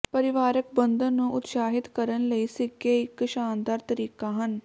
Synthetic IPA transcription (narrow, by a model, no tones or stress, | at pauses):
pəɾɪʋaːɾək̚bənd̪ənːũːʔʊt̪ʃaːɦɪt̪kəɾənləiːsɪkeːɪkʃaːnd̪aːɾt̪əɾiːkaːɦən